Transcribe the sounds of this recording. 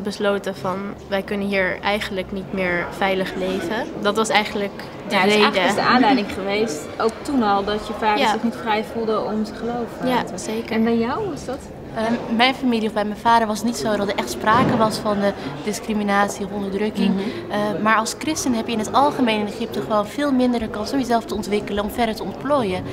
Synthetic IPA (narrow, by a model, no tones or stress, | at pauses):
bəsloːtəfɑnʋɛjkɵnənɦiːɹɛjχən̩ləknitmɪːɹfɛjləχlejvədɑtʋɑsɛjχənlək | dəredədəaːndɛjdɪŋχəʋejst | owk̚tunɔlˠdɔtjəfaːksɪχnitfrɛjfulˠdəɔmtəχəlowfjasejkəɛbɛjjawʋɑsdɔt | əmɛjnfamiliɔfbɛjmɛjnfaːdəɹʋɑsətnitsowdɑtəʔɛχtspraːkəʋɑsfɑndədɪskriminaːtsiɔfɔndəɹdrɵkɪŋ | maːɹɑlˠskrɪstənɦɛpjəɪnɦətɑlˠχəmejnɪneχɪp̚təχəʋoːnvɪːlˠmɪndədəɹkɑnsɔmjəzɛlˠftəɔntʋɪkələnɔmfɛɹdəɹtəɔntploːjə